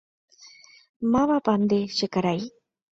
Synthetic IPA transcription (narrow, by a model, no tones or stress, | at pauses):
maβapand̪eʃɨkaɾaj